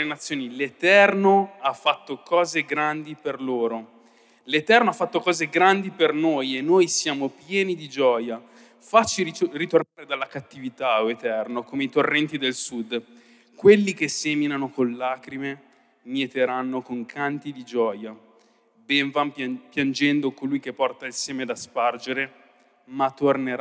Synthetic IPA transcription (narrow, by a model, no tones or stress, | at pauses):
lenat̪sːjoːnilet̪ɛrnoafːat̪ːokʰɔːzeɡɾand̪iperloːɾo | let̪ɛrnoafːat̪ːokɔːzeɡɾand̪ipernoːjenːoːjsjaːmopjɛːnid̪id͡ʒɔːja | fat͡ʃːirit̪ornaːɾed̪alːakat̪ːivit̪aoet̪ɛrnokoːmeit̪orːɛnt̪id̪elsud̪ | kwelːik̟eseminanokonlaːkɾime | miet̪eɾanːokoŋkʰant̪id̪id͡ʒɔːja | bɛɱvampjand͡ʒɛnd̪okolujk̟epːɔrt̪ailsɛːmed̪aspard͡ʒeɾe | mat̪ːorneɾa